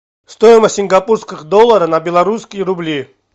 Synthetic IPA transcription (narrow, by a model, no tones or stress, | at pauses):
st̪ɔjɪməsʲiŋɡapʼuɾskiχd̪ɔlˠːɐɾənɐbʲɛlˠɐɾuskʲijəɾublʲi